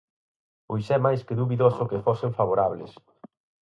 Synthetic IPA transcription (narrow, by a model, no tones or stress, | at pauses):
ojsɛmajskɪðuβiðosʊkefoseɱfaβoɾaβlɪ̰s